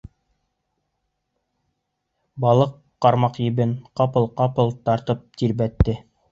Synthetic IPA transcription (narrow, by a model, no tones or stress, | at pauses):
bɑlˠɤqːɑɾmɑqjɘ̆bɘnqɑpɤlˠqɑpɤ̆lˠt̪ɑɾt̪ɤp̚t̪iɾbæt̪ːɘ